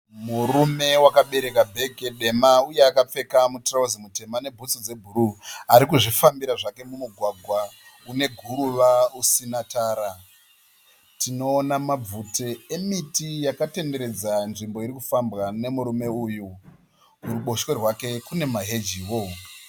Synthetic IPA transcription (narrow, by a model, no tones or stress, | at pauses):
murume̞wakaɓe̞ɾe̞kabʱe̞keɗe̞mauje̞akap͡fe̞kamutrauzimute̞mane̞bʱut͡sod͡ze̞bʱuɾuaɾikuʐifambiɾaʐake̞mumuɡʱwaɡʱwa | une̞ɡʱuɾuʋausinataːɾa | tino̞ːnamab͡vuteemitijakate̞nde̞ɾe̞d͡zanʐimbo̞iɾikufambɣane̞muɾume̞uːju | uɾuɓo̞ʃwe̞rwake̞kune̞maɦe̞d͡ʒiwo